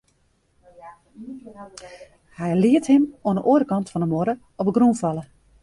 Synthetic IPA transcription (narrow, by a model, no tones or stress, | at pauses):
hɛjlɪəthɪmoənəʔoːəɾəkɑntfɔndəmoɾə | ɔpəɡrunfɑlˠə